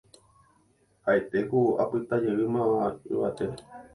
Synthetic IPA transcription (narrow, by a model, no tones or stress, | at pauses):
haet̪e̞kua̰pɨt̪ad͡ʒeɨmãaɨ̰βat̪eɾe